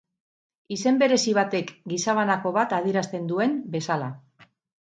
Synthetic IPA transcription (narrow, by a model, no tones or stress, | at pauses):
ise̞mbe̞ɾe̞siβ̞at̪e̞kɡisaβ̞anako̞βat̪að̞ieɾast̪e̞nd̪ue̞mbe̞sala